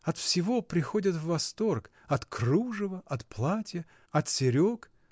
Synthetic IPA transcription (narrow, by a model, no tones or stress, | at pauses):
ɐt̪fsʲɪvo̞pɾʲɪxodʲət̪vːɐst̪o̞rk | ɐt̪kruʐəvəʔɐt̪plˠatʲjə | ɐt̪sʲɪɾʲok